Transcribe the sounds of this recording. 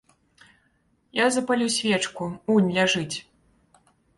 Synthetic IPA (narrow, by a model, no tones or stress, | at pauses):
jazɐpalʲusʲvʲɛt͡ʂkuunʲlʲaʐɨt͡sʲ